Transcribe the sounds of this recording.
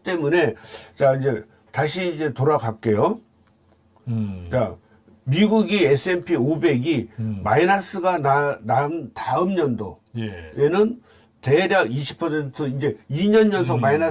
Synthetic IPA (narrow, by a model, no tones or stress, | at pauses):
t͈e̞mune̞t͡ɕaind͡ʑe̞ | taɕʰiːind͡ʑe̞toɾaɡak̚k͈e̞jo | t͡ɕa | miɡuɡies͈ʰɯe̞npʰiobe̞ɡimainas͈ɯɡananamtaɯmɲʌndo̰ | enɯn | te̞ɾjaɡiɕʰi̥pʰʌsʰe̞ntʰɯind͡ʑe̞iɲʌnɲʌns̬ʰʌkmaina